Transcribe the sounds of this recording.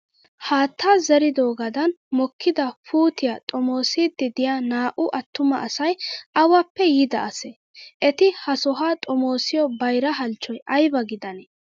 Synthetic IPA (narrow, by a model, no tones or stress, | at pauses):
haːt̪ʰːaːzɛɾɪd̪o̞ːɡɐd̪ɐnmɔkʰːɪd̪ɐfuːt̪ɪjat̪ʼɔmo̞ːsiːd̪ːɪd̪ɪjanaːʔʊʔɐt̪ːʊmɐʔːsɐjɐwɐpːɛjɪd̪ɐʔɐsɛ | ʔɛt̪ɪhɐsɔɦaːt̪ʼɔmo̞ːsɪjɔbɐjɾɐɦɐlt͡ʃːɔjʔɐjbɐɡɪd̪ɐnɛ